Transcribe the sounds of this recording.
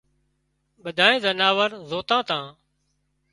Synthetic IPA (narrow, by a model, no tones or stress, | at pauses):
ɓəd̪ʱaːẽːzənaːʋəɾzoːt̪ãːt̪ãː